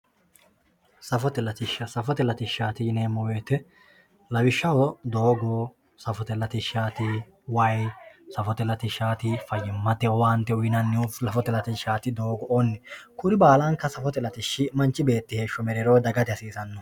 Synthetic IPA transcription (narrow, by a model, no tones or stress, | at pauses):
sɐfɔt̪ɛlɐt̪ɪʃːɐsɐfɔt̪ɛlɐt̪ɪʃːaːt̪ɪjneːmːɔwe̞ːt̪ɛ | lɐbɪʃːɐwɔd̪oːɡoː | sɐfɔt̪ɛlɐt̪ɪʃaːt̪ɪ | wɐjsɐfɔt̪ɛlɐt̪ɪʃːaːt̪ɪfɐjːɪmːɐt̪ɛɔwaːnt̪ːɛʊjɪnɐnːɪuflɐfɔt̪ɛlɐt̪ɪʃaːt̪ɪd̪o̞ːɡɔʔonːɛkʊɾɪbaːlɐŋkːɐsɐfɔt̪ɛlɐt̪ɪʃːɪmɐnt͡ʃːɪbe̞ːt̪ːɪheːʃːɔmɛɾɛɾoːd̪ɐɡɐt̪ɪɐsiːsɐnːɔ